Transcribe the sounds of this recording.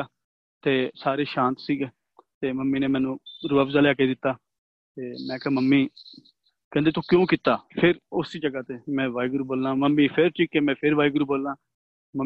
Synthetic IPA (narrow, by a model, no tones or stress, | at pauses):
t̪eːsaːɾeːʃãːnt̪siːɡeː | t̪eːməmːiːneːmɛ̃ːnũːɾuːəpzaːleaːkeːd̪ɪt̪ːaː | t̪eːmɛ̃ːkɛːməmːiː | kɛ̃ːnd̪eːt̪õːkjõːkit̪ːaːpʰɪɾʊsiːd͡ʒəɡaːt̪eːmɛ̃ːʋaːiɡɾuːboːlãːməmːiːpʰɪɾt͡ʃɪkːeːmɛ̃ːpʰɪɾʋaːiɡɾuːboːlːaː | mə